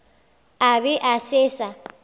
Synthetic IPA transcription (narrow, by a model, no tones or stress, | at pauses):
abɪʔasɪsa